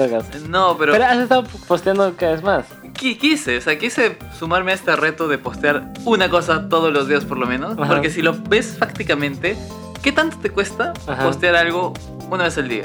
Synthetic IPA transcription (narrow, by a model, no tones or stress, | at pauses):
oɣasnopeɾopeɾoasest̪aðopost̪jand̪okaaβezmas | kikise̞ose̞akjise̞ | sumaɾmeest̪ere̞t̪o̞ðe̞po̞st̪jaɾunako̞sat̪o̞ð̞ozlo̞zðiaspo̞ɾlo̞mẽno̞spoɾke̞silo̞be̞sfakt̪ikamẽ̞nt̪e̞ | ke̞t̪ant̪ot̪ekwe̞st̪aahpo̞st̪jaɾalɣ̞o̞ | unaβe̞sald̪ia̰